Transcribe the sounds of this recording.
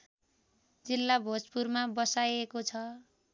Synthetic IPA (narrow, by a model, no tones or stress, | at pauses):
d͡zilːabʱod͡zpurmabʌsajekot͡sʰʌ